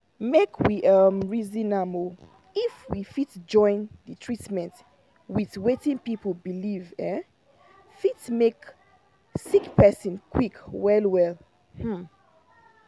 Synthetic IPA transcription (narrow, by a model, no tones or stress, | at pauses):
mekʰwiʔʌmɹizĩnamo | ifwifitd͡ʒɔ̃ɪ̃nðətʰɹ̥itmɛ̃nt | wiðwetĩŋpipəl̩bilivɛ̃ | fitmek | sikpɛsə̃nkʰwikwɛlwɛl | hm̩